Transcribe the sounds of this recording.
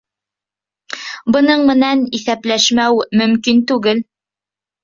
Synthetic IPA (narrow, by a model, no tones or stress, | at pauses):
bɤ̆nɤɴmɘ̆næniθæplæʃmæwmɵ̆mkint̪ʉɡɘl